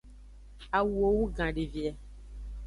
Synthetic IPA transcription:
a˨wu˨o˨wu˦ɡã˨ɖe˨vi˨ɛ˨˦

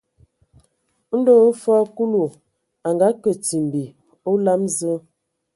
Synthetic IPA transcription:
n̩˦do˦˨˦fa˦ku˦lu˨ | a˨ŋɡa˨˦kə˨ti˨m˨bi˨ | o˦la˦mzə˦

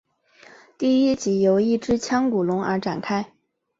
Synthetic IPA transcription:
t̪i˥˩i˥t͡ɕi˧˥jo˧˥ʊi˥˩ʈ͡ʂɻ̩˥t͡ɕʰjɑ˥ŋku˨˩lʊ˧˥ŋə̰˞˧˥ʈ͡ʂa̰˨˩nkʰa˥ɪ

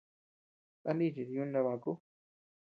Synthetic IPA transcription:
a˦nĩ˦˨ʐi˨ɾi˨˧u˦nã˧βã˨ku˦

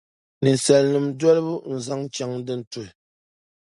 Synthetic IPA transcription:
nɨ˨n˨sɛ˨lnɨ˨mdɔ˦lɨ˦bu˦n̩˨za˦ŋ˦t͡ʃa˦ŋdɨ˦n̩˦tu˨l

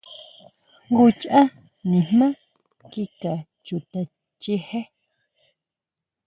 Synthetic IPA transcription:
ŋɡu˧˦t͡ʃʔã˦ | nĩ˨m̥mã˦ | ki˦ka˨ | t͡ʃu˧˨t̪a˧ | t͡ʃi˧he˦

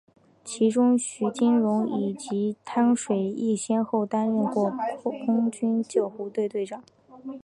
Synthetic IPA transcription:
t͡ɕʰi˧˥ʈ͡ʂʊ˥ŋɕy˧˥t͡ɕi˥nɻʊ˧˥ŋi˨˩t͡ɕi˧˥t̪ʰa˥ŋʂwe˨˩ɪi˥˩ɕjɛ˥nxo˥˩ʊt̪a˥nɻə˥˧nkwɔ˥˩kʰʊ˥ŋt͡ɕy˥nt͡ɕjɑ˥˩ʊxu˧˥t̪we˥˧ɪt̪we˥˩ɪʈ͡ʂɑ˨˩˦ŋ

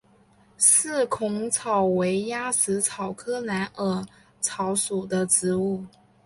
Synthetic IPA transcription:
sɹ̩˥˩kʰʊ˧˥ŋt͡sʰɑ˨˩ʊwe˧˥ɪja˥sɹ̩˧˥t͡sʰɑ˨˩ʊkʰɤ˥la˧˥nə˧˥ | t͡sʰɑ˧˥ʊsu˨˩d̪ə˦ʈ͡ʂɻ̩˧˥u˥˩

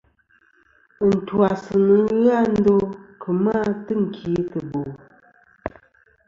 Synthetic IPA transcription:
n̩˨twa˨sɨ˨nɨ˨˦ɣa˦n̩˦do˦kʰə˨ma˦tɨ˦ŋ̩˨kʰi˨˦tɨ˨bo˨

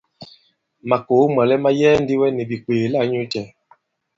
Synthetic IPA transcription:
ma˨ko˨˦mwa˨lɛ˦ma˦jɛː˦ndi˦wɛ˦nɛ˨bi˨k͡peː˨la˦ɲu˦tɛ˨

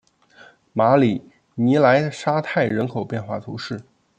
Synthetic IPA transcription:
ma˧˥li˨˩˦ | ni˧˥la˧˥ɪʂa˥t̪ʰa˥˩ɪɻə˧˥nkʰo˨˩ʊpjɛ˥˧nxwa̰˥˩t̪ʰu˧˥ʂɻ̩˥˩

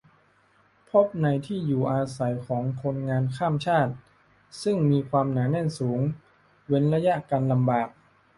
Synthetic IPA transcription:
pʰo˦˥p̚na˧jt̪ʰiː˥˩juː˨˩ʔaː˧sa˩˦jkʰɔː˩˦ŋkʰo˧nŋaː˧nkʰaː˥˩mt͡ɕʰaː˥˩t̪̚ | sɯ˥˩ŋmiː˧kʰwaː˧mnaː˩˦nɛ˧˥˩nsuː˩˦ŋ | we˧˥nɾa˧ja˦˥ʔkaː˧nla˧mbaː˨˩k̚

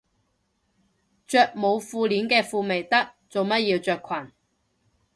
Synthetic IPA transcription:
t͡ʃœː˧k̚mo˨˧wfuː˧liː˨˥nkɛː˧fuː˧me˨˩jt̪ɐ˥k̚ | t͡so˨wmɐ˥t̚jiː˧wt͡sœː˧kʷʰwɐ˨˩n

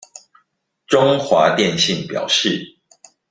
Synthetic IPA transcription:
ʈ͡ʂʊ˦ŋxwa˨˦t̪jɛ˥˨nɕi˥˨ŋpjɑ̰˨˩ʊʂɻ̩˥˨

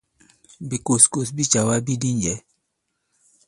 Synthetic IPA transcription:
bi˨ko˨sko˨sbi˦t͡ʃa˨wa˦bi˦di˦ɲd͡ʒɛ˨˦

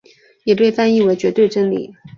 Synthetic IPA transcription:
jɛ˨˩pe˥˩ɪfa˥ni˥˩we˧˥ɪt͡ɕɥɛ˧˥t̪we˥˩ɪʈ͡ʂə˥nlḭ˨˩˦

